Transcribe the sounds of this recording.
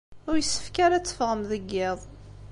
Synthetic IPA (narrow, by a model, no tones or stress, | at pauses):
ʊɾjəsːə̥fkaɾæt͡sːə̥fʁəmðəɡːɪðˤ